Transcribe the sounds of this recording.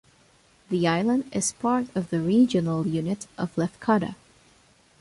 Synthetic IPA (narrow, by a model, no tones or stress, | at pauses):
ðiaɪlˠə̃ndɪz̥pʰɑɹɾʌvðɨɹid͡ʒɨnl̩ˠjʉnɨɾʔʌv̥lɛfkʰɑɾɨ̰